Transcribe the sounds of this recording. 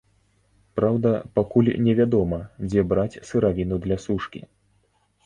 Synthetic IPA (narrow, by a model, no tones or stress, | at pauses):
pɾawd̪ɐpakulʲnʲɛvʲad̪ɔmɐd͡zʲɛbɾat͡sʲsɨɾavʲinud̪lʲasuʂkʲḭ